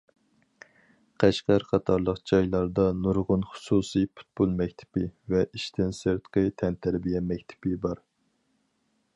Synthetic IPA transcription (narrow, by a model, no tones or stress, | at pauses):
qʰæʃqæɾqʰɑt̪ʰɑɾlˠəqd͡ʒɑjlˠɑɾd̪ɑnuɾʁʊnχʊ̥susɨpʰu̥t̪̚bulˠmɛkʲt̪ʰɪ̥pɪvɛʔiʃt̪ʰɪnseɾt̪qʰɨt̪ʰɛnt̪ʰæɾbijɛmɛkʲt̪ʰɪ̥pɪbɑɾ